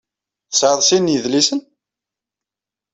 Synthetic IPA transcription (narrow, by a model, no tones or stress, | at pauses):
θsʕəðˤsinjəðlisən